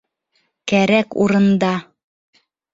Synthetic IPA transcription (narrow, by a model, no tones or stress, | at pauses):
kæɾækṵɾɤ̆nd̪ɑ